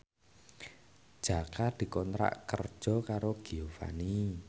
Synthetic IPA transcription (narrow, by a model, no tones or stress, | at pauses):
d̥ʒ̥a̤kad̪̥i̤kɔnt̪ɾa̰ʔkə̰rd̥ʒ̥ɔ̤kaɾoɡ̥iofa̰ni